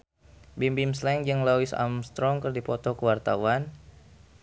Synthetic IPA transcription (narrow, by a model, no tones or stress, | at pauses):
bimbimslɛŋd͡ʒəŋlawisa̰mst̪ɾɔŋkərdipɔt̪ɔkəwart̪a̰wan